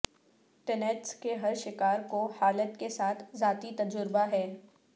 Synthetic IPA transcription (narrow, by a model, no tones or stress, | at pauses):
ʈɛnɛʈskeɦɐɾʃɪkaːɾkohaːlət̪kesaːt̪ʰzaːt̪it̪ɐd͡ʒʊɾbaɦɛː